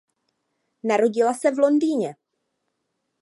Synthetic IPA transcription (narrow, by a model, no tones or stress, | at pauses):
naɾo̞ɟɪlasɛvlo̞ndiːɲɛ